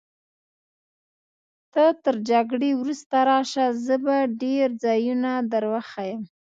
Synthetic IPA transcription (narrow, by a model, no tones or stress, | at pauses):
t̪ət̪əɾd͡ʒaɡɽewɾust̪aɾɑʃazəbaɖeɾd͡zɑjunad̪aɾwaxajəm